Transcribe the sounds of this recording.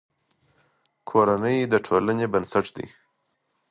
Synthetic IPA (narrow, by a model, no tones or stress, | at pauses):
kʰoɾanəjd̪əʈʰolənebənsaʈd̪ḭ